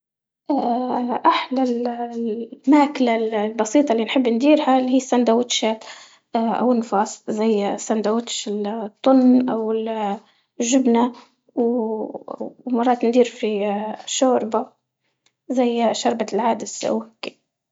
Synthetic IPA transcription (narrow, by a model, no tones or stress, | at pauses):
ʔaʔaħlal | maːklallbɑsiːt̪ˤɑlːinħɪbːnd̪iːɾhalhiːsːand̪awʊt̪ʃat̪ː | ʔa̰wnfɑːsˤzajːsːand̪awʊt̪ʃɪlt̪ˤːʊnːʔawl | ʒʊbna | w | mɑrˤɑːt̪nd̪iːɾfiʃoːɾba | zajːʃɑɾˤbalʕaːd̪ɪsa̰wkːi